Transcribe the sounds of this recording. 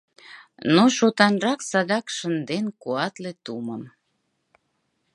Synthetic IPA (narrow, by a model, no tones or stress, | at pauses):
noʃot̪ɑnrɑksɑd̪ɑkʃənd̪enkuɑt̪let̪uməm